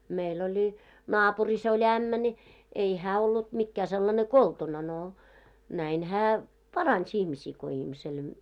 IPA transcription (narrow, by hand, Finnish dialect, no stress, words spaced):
meil olʲi nɑːpuris olʲ æmːæ nʲi ei hæː olːut mikːæː selːɑne koltunɑ no næin hæː pɑrɑns ihmisiː ko ihmisel